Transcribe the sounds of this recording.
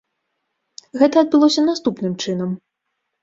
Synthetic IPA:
ɣɛt̪ɐːd̪̚bɨlˠɔsʲɐnast̪upnɨmt͡ʂɨnɐm

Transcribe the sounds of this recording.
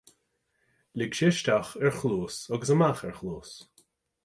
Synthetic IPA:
lɪɡʃɪʃt̪axɛɹxluːsɔɡəsəmaxɛɹxluːs

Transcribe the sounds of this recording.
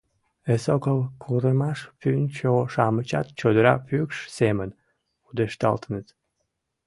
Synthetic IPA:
esokəlˠkʰuɾəmɑʃfynt͡ɕoʃɑmət͡ɕa̰t̪̚t͡ɕod̪əɾa̰fykʃsemən | ud̪eʃt̪ɑ̰lt̪ənət̪

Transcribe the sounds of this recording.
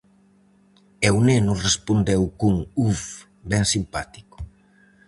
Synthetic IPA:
ewnenʊrespond̪ewkuŋuf | bɛŋsimpat̪i̥kʊ̥

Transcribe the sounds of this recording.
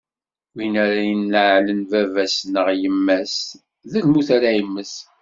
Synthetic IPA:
winæɾajənːəʕlənvævæsnəʁjəmːæs | ðəlmuθaɾajəmːəs

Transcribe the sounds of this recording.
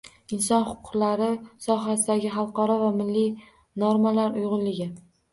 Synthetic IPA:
ɪnsɒnχʊ̥qʰʊ̥qlaɾɪsɒɦasɪd̪aɡʲɪχɑlˠqɒɾɒvamɪlːɪ | noɾmalaɾʊjʁʊnlɪɡʲɪ

